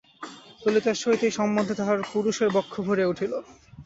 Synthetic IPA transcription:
t̪olit̪aʃojt̪iʃɔmːond̪ʱod̪ʰʱaaɾpuɾuʃeɾbɔkʰːobʱoɾeuʈʰilo

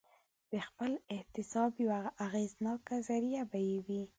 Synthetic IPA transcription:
d̪̥əxpəlɪht̪ɪsɑbjawaːɣeznɑkazaɾijabajewi

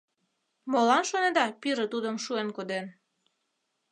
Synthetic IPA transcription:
molɑnʃoned̪ɑpiɾə̆t̪ud̪əmʃuenkod̪en

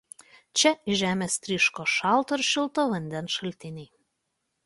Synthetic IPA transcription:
t͡ʃʲɛiʒʲæːmʲest̪ʲɾʲiʃkoʃɑlˠt̪oɾʃʲɪlˠt̪oʋɐnʲd̪ʲɛnʃɐlʲt̪ʲɪnʲej

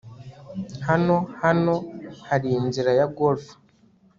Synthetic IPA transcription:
hano̞hano̞haɾiːnziɾajaɡolfḁ

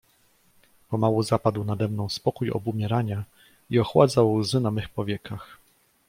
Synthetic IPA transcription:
pɔmawuzapad̪wnad̪ɛmnɔ̃w̃spɔkujɔ̰bumʲjɛɾaɲa | iɔxwa̰d̪zawzɘnamɘxpɔvʲjɛkax

